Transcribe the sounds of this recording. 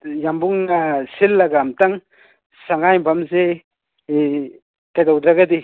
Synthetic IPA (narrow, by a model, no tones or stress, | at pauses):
jambuŋasilːaɡamtaŋ | saŋajbʱamze | kajdawd̪ɾaɡadi